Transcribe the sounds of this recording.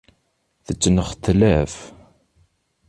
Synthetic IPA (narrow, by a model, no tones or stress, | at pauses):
θət͡sːnəχt̪ːlæf